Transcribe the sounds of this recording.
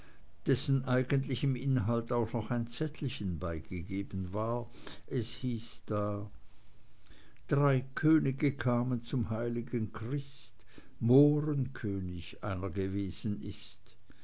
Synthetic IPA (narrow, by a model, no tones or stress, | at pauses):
d̥ɛsn̩ʔaɪɡəntlɪçəmʔɪnɦaltaʊxnɔχaɪnt͡sɛtʰl̩çənbaɪɡ̥əɡeːbənvaːɐʔɛshiːsd̥aː | d̥ʁaɪkʰøːnɪɡəkʰaːmənt͡sʊmhaɪlɪɡənkʁ̥ɪs | t | moːʁənkʰøːnɪçʔa̰ɪnɐɡəveːz̥ənʔɪst